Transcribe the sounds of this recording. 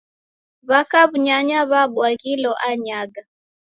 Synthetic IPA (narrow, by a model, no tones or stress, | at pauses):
βakaβuɲaɲaβaɓwaɣilɔʔaɲaɡa